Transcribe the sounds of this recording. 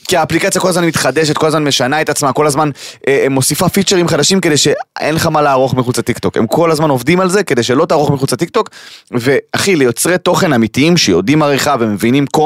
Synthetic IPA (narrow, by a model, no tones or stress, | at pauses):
kiaːplikat͡sjako̞lazmanmit̪χad̪eʃ̬et̪ko̞lazmanme̞ʃanaet̪at͡smako̞lazmanemo̞sifafit͡ʃeʁimχad̪aʃimke̞d̪e̞jʃeenleχamalaːʁo̞χmiχut͡sat̪ikt̪o̞ke̞̰mkʰo̞lazmanovd̪imalze̞kede̞jʃe̞lo̞taːʁo̞χmiχut͡sat̪ik̚t̪o̞kve̞aχilejo̞t͡sʁet̪o̞χe̞namitiimʃejo̰dimaʁiχave̞mevinimko